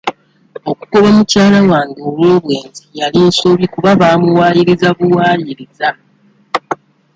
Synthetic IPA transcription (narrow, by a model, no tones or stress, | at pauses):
o̞kuko̞βamucaːlawaːŋɡio̞βwo̞ːβwe̞ːnzijalinso̞βikuβaβaːmuwaːjiɾizaβuwaːjiɾiza